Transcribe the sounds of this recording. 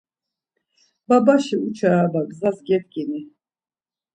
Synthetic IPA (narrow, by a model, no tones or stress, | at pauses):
babaʃiut͡ʃʰaːb̪aɡzasɡɛt̪kʼini